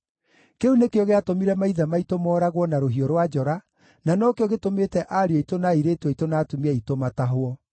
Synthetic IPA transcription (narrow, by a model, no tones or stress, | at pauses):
keunekeɔɣeatomiɾɛmaiðamaitomɔːɾaɣwɔnaɾoɦiɔɾwad͡ʒɔɾa | nanɔkeɔɣetometɛʔaɾeɔitonaiɾeːtɔitonaːtumiɛitomataɦwɔ